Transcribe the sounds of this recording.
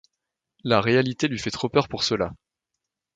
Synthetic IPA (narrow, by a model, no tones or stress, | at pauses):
laʁealit̪elɥifɛt̪χopœʁpuʁsəla